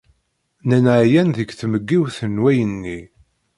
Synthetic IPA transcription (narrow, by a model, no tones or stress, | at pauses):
nænʕjænðəɡθməɡːiwθənwæjənːi